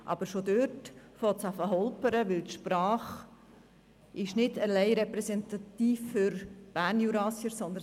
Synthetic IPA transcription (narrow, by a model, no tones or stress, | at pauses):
ʔɑ̰b̥əɾʃod̪øɾtfɔt̪sɑfəɦɔlpəɾəʋɪlt̪ʃpɾɑːχ | ʔɪʃnɪdəlɛɪɾɛpɾɛsɛnt̪ɑt̪iːfːʏɾb̥æːɾnjuɾɑːsjəɾsɔnd̪ə